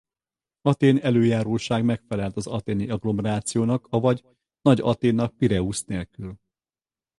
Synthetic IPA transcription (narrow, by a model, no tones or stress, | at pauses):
ɒt̪eːnɛløːjaːɾoːʃaːɡmɛkfɛlɛlt̪ɒzɒt̪eːniɒɡlo̞mɛɾaːt̪sijoːnɒkɒvɒɟ | nɒɟɒ̰t̪eːnːɒk̚piɾɛusneːlkyl